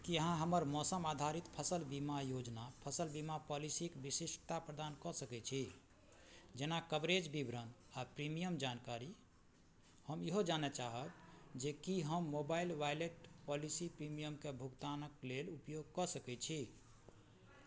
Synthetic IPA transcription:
kiəɦãɦəməɾmɔsəmad̪ʱaɾit̪pʰəsəlbimajod͡ʒnapʰəsəlbimapɔlisikbisisʈʰt̪apɾəd̪ankɔsəkɛt͡ʃʰi | d͡ʒenakəbɾed͡ʒbibɾənapɾimijəmd͡ʒankaɾi | həmiɦod͡ʒanɛt͡ʃaɦəbd͡ʒekiɦəmːobailʋajleʈpɔlisipɾimijəmkebʱukt̪anəklelupjoɡ̚kɔsəkɛt͡ʃʰi

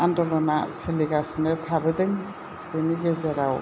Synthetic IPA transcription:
andɔlɔnaseliɡasnɯt̪ʰabɯd̪ɯŋ | beniɡezeɾaw

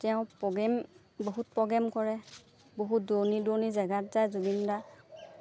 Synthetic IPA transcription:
tɛʊ̃pɔɡɛm | boɦut̚pɔɡɛmkɔɹɛ | boɦut̚donidonizɛɡatzajzubinda

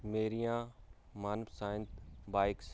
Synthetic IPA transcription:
meːɾijãːmaːnəbsaːɪ̃nt̪baːɪks

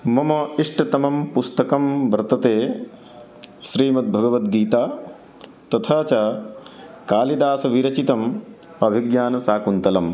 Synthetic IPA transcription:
mɐmɐiʂʈɐt̪ɐmɐmpust̪ɐkɐmʋɐɾt̪ɐt̪eː | ʃɾiːmɐt̪̚bʱɐɡɐʋɐt̪ɡiːt̪aː | t̪ɐt̪ʰaːt͡ʃa | kaːlid̪aːsɐʋiɾɐt͡ʃit̪ɐm | ɐbʱiɡjaːnɐsaːkunt̪ɐlɐm

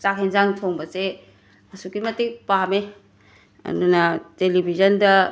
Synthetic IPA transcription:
sakʰenzaŋtʰoŋbɐse | mɐsukimɐtik̚pame | ɐ̰dunɐtelibʱizɐndɐ

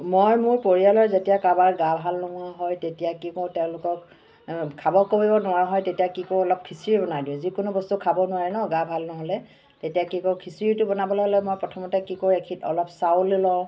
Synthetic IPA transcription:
mojmʊɹpoɹijalɔjzetijakabaɹɡabʱalnɔɦʊaɦɔjtetijakikɔtɛʊ̃lʊkɔk | kʰabɔkobibɔnʊwaɦɔjtetijakikoɔlɔp̚kʰisiɹibɔnajdiʊ̃zikʊnubɔstukʰabɔnʊwaɹɛnɔɡabʱalnɔɦɔlɛ | tetijakikɔkʰisiɹitʊbɔnabɔlaɦɔlɛmojpɹɔtʰɔmɔtɛkikoɹekʰitɔ̰lɔpsawlilɔ̃

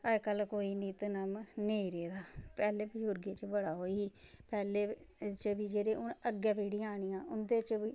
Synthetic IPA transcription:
əd͡ʒkəlkoːiːniːt̪nəmneːiːɾeːd̪aːpɛːleːbəd͡ʒʊɾɡeːt͡ʃəbəɽaːɦoːiiːpɛːleːt͡ʃəbiːd͡ʒeːɾeːʊnəɡaːpeːɽiːaːɽ̃iːãːʊnd̪eːt͡ʃəbiː

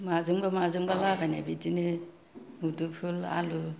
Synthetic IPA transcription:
mazɯŋbamazɯŋbalabana̰bitinɯ | mudupʰula̰lu

